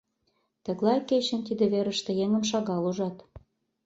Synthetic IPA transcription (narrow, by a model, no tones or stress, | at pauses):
t̪ə̆ɣlɑjket͡ɕə̆nt̪id̪ĕβeɾə̆ʃt̪ĕjeŋə̆mʃɑɣɑluʒɑt̪